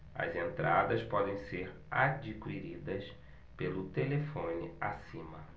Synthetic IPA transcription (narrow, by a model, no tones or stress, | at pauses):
ɐ̰zẽnt̪ɾʔad̪ɐspɔd̪ẽj̃seɾ | ad͡ʒikwiɾid̪ɐs | pelʊt̪elefõnɪasĩmɐ